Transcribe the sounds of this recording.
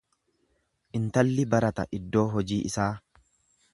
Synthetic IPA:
ʔɪnt̪ɐlːɪbɐɾɐt̪ɐ̰ʔɪd̪ːo̞ːɦɔd͡ʒiːʔɪsaː

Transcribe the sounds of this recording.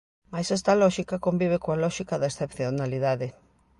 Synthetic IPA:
majsɛst̪alɔʃikakombiβ̞ekõalɔʃikaðaesθepθjonaliðaðe

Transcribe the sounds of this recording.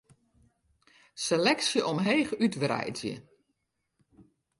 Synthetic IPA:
selɛksjəʔɔmɦeːxytʋrɛ̰jzjə̰

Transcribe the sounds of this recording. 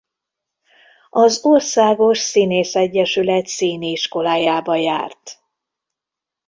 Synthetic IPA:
ɒzorsaːɡo̞ʃsineːsɛɟːɛʃylɛt̪siːniiʃko̞laːjaːbɒja̰ːrt̪

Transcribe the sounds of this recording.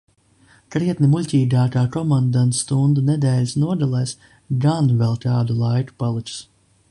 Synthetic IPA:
kɾiɛt̪nimulʲcʲiːɡaːkaːkɔmand̪ant̪st̪und̪unɛd̪ɛːlʲisnuɔd̪alˠajs | ɡanvɛlˠt̪aːd̪ulˠajku̥palˠit͡ʃʲu̥s

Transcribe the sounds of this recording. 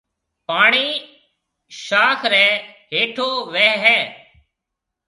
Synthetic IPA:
paːɳiː | ʃaːkʰɾɛːɦeːʈʰoːʋeːɦɛː

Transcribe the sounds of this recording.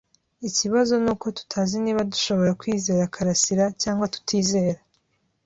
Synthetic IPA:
iciβazo̞nuːko̞tu̥tʰaːziniːβaduʃo̞βo̞ɾakwiːze̞ːɾakʰaɾasiɾacaːŋɡwatu̥tʰiːze̞ːɾa

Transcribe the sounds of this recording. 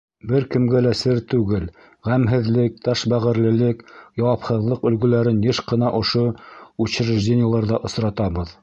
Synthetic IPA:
bɘɾkɘ̆mɡælæsɘɾt̪ʉɡɘl | ʁæmɦɘ̆ðlɘk̚t̪ɑʃbæʁɘ̆ɾlɘ̆lɘkjɑwɑpχɤ̆ðlˠɤqɵ̆lɡɵ̆læɾɘnjeʃqɤ̆nɑʔŏʃout͡ɕɘ̆ɾɘ̆ʒdʲenʲɪjəlˠɑɾðɑʔŏsɾɑt̪ɑβɤð

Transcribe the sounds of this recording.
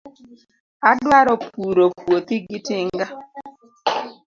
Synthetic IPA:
adwaɾɔpuɾopwot̪iɡɪtɪŋɡa

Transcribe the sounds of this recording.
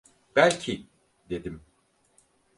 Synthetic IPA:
b̥ælʲcʰi | d̪e̞d̪im

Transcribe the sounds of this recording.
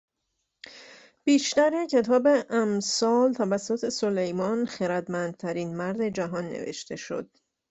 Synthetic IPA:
b̥iːʃt̪æɾecʰe̞t̪ʰɒːbe̞ʔæmsɒːlt̪ʰævæsːot̪ʰe̞so̞le̞jmɒːnxeɾæd̪mænd̪̥̚t̪ʰæɾiːnmæɾd̪e̞d͡ʒæɦɒːnːḛvḛʃt̪ʰe̞ʃo̞̰d̪̥̚

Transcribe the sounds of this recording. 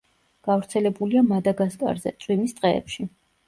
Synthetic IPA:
ɡ̥avɾt̪sʰɛlɛbuliamad̪aɡaskʼa̰ɾzɛ̰t̪sʼwimist̪ʼqʼɛɛ̰pʃi

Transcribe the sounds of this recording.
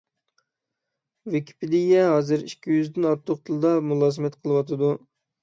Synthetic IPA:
vekʲʰi̥pɪd̪ɪjʲɛɦɑːzɨɾikʲʰːijyzd̪ɪnɑɾt̪ʰːoq̚t̪ʰɨlˠd̪ɑmulˠɑːzɨmɛt̪qʰəlˠɨwɑt̪ʰɨd̪u

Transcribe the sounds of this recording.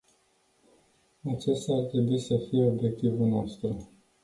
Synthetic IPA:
at͡ʃe̞st̪art̪ɾe̞buisəfije̞o̞bje̞k̚t̪ivulnoost̪ɾu

